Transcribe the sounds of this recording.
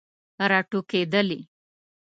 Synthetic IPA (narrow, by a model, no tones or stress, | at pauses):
ɾaʈuked̪əli